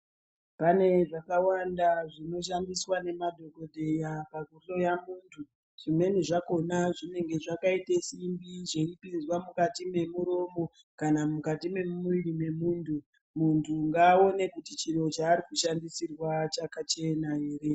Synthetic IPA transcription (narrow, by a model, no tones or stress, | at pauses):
pane̞ʐakawandaʐino̞ʃ̬andiswane̞madʱo̞ko̞dʱe̞japaɡʱuɬo̞jamuːntʰu | ʐ̥ime̞niʐako̞naʐine̞ŋɡe̞ʐakaitesimbiʐeipind͡zwamukatime̞muɾomo̞ | kanamukatime̞mumuʋiɾime̞muːntʰu | muntʰuŋɡaːo̞ne̞kutit͡ʃireot͡ʃaːɾikuʃandisirwat͡ʃakat͡ʃe̞naɦe̞ːre̞